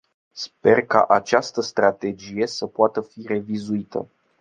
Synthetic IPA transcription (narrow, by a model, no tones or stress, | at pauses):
spe̞rka̰ʔat͡ʃast̪əst̪ɾat̪e̞d͡ʒije̞səpoat̪əfire̞vizuit̪ə̰